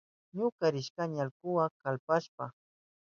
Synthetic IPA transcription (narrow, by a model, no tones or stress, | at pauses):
ɲʊkaɾɪʃkaɲalkʊwakalpaʃpa